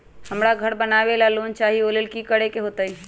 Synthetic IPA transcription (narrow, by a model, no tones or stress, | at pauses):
həmɾaɡʱəɾbənabelalont͡ʃaɦiolelkikəɽekeɦot̪əi